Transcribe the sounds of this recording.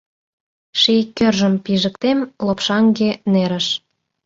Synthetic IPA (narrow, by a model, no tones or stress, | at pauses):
ʃikʲːørʒə̆mpiʒə̆kt̪emlopʃɑŋɡeneɾə̆ʃ